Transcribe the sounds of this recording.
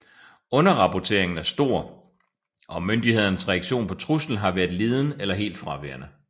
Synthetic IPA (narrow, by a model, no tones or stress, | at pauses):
ɔ̽nɐʁɑ̈pʰɒt͡sʰe̝̰ɐ̰e̝ŋn̩æɐsd̥o̝ɐ̰ | ʔɒ̽mønd̥ihe̝ð̞̰ˠɐnəsʁɛɑ̈ɡ̥ɕo̝̰ːnpʰɒ̽t͡sʰʁusl̩n̩ɦɑ̈ʋæːɐðˠle̝ːð̞ˠn̩elɐɦe̝̰ːld̥fʁɑ̈ʋḛːɐ̰nə